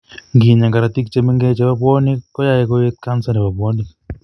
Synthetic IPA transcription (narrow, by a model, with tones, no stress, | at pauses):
ŋɡi˨ɲa˨ŋɡa˨ɾa˨t̪i˦k̚t͡ʃe˦mi˦ŋɡe˦t͡ʃe˦ba˦pwɔ˦ni˦kɔ˦ja˦jɛ˦kɔ˦e˦t̪̚ka˦nsa˦nɛ˨ba˨pwɔ˦ni˨